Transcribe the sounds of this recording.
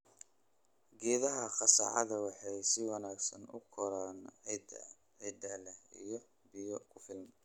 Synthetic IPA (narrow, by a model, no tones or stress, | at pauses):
ɡɛːðɐɦɐχɑsɑ̰ːʕɑ̰ðɐwɑħɑjsɪwɑnaːɡsɐnʊ̰kʰɔɾan | ʕɛd̪ɐːlɛhḭjɞ | bɪjɔkʰʊfɪlm